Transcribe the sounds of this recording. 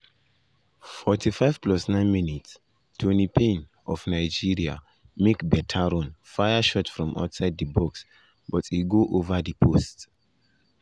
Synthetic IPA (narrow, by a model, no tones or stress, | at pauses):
fɔtʰifaɪv̥plɔsnãɪ̃nminits | tʰwɛ̃nipẽn | ʔɔfnaɪd͡ʒiɹia̰ | mekbɛtʰaɹɔ̃nfajaʃɔtfɹɔ̃mʔa̰ʊtsaɪd̚dəbɔks | bɔtiɡoʔovadipʰost